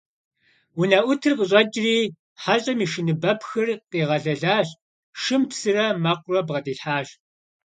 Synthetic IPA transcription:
wʊnɐʔʷʊtʰɨrqəɕʼɐd͡ʒʼriː | ħaɕʼɐmiːʃɨnɨbɐpxɨrqiːʁɐɮɐɮaːɕ | ʃɨmpsɨrɐmɐqʷʊrɐbʁɐdiːɬħaːɕ

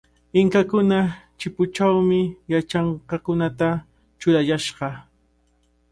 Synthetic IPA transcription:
ɪŋkakʊnat͡ʃɪpʊt͡ʃawmɪjat͡ʃɑɴqɑkʊnat̪a | t͡ʃʊɾajaʃɢɑ

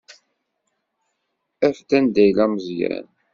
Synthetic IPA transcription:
æfd̪ænd̪æjlæməzjæ̰n

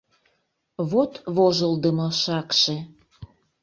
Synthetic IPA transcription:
βot̪βoʒəld̪əmɤʃɑkʃe

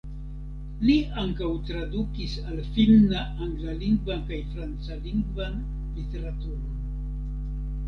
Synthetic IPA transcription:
liaŋkawtɾadukisalfilnaʔaŋɡlaliŋɡvankajfɾant͡saliŋɡvan | lite̞ɾatuɾon

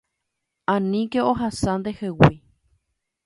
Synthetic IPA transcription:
ãnĩkeoɦasãnd̪ehewi

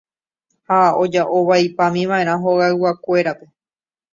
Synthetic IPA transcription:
hao̞d͡ʒaʔoʋajpãmĩʋãẽ̞ɾ̃ãɦo̞ɣaɨwakʷe̞ɾape̞

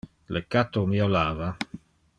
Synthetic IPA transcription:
lekːat̪omiolaːva

